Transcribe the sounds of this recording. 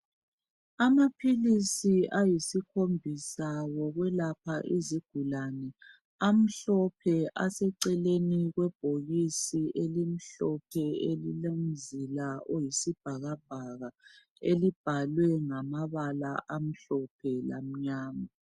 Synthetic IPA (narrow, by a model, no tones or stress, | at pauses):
amapʰilisiʔajisikʰombʱisawɔɣwɛlap̚ʰaʔiziɡ̥ʱulanɛ | am̩ɬɔpʰɛʔasɛǀɛleniɣwɛb̥ʱoɣisiʔelim̩ɬɔp̚ʰɛelilamd͡zʱilaʔojisib̥ʱaɣab̥̚ʱaɣa | elib̥ʱalwɛŋamaβalaʔam̩ɬɔpʰɛla̰m̩ɲaːma